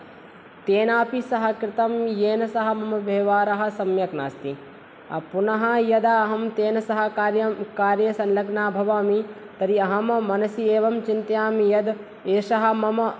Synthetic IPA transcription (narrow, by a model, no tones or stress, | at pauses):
t̪eːnaːpisɐɦɐkɾɪt̪ɐmjeːnɐsɐɦɐ̆mɐmɐʋeːʋaːɾɐɦɐ̆sɐmjɐkna̰ːst̪i | ɐ̰punɐɦɐjɐd̪aːɐɦɐmt̪eːnɐsɐɦɐ̆kaːɾjɐkaːɾjɐsɐnlɐɡnaːbʱɐʋaːmi | t̪ɐɾiɐɦɐmɐːɐnɐsieːʋɐmt͡ʃint̪ɐjaːmijɐd̪ | eːʃɐɦɐ̆mɐmɐ